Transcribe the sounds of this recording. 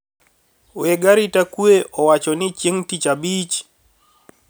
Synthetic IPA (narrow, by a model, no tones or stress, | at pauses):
weɡaɾitakweʔɔwat͡ʃɔnɪt͡ʃjeŋtit͡ʃabit͡ʃ